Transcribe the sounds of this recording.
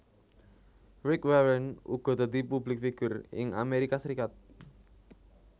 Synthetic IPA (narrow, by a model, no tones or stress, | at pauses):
ɾɪkwɛwənuɡ̥ɔ̤t̪əd̪ipublɪk̚fiɡ̥ʊrɪ̰ŋʔa̰meɾikasəɾikat̪̚